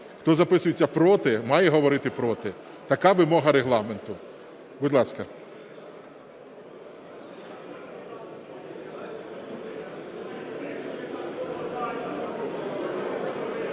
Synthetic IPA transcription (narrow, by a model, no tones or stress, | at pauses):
xt̪ɔzɐpɪsʊjet͡sʲːɐpɾɔt̪ɪmɑjɛɦɔʋɔɾɪt̪ɪpɾɔt̪ɪ | t̪ɐkɑʋɪmɔɦɐɾeɦlˠɑment̪ʊ | bʊd̪lˠɑskɐ